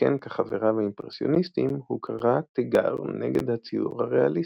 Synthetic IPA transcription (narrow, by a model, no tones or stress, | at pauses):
enkeχaveʁaveimpʁesjo̞̰nistimhukʰaʁat̪eɡa̰ʁneɡed̪hat͡siuʁhaʁealis